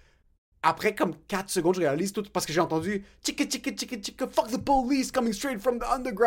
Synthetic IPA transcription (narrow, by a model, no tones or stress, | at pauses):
apχɛkɔmkat̪χsəɡɔ̃d̪ʒəʁealizt̪ut̪paʁsəkəʒeɑ̃t̪ɑ̃d̪yt͡ʃikət͡ʃikət͡ʃikət͡ʃikəfʌk̚ðəpoliskʌmɪ̃ŋst̪ɹ̥eɪtfɹʌ̃mðiʌ̃nd̪ə˞ɡɹa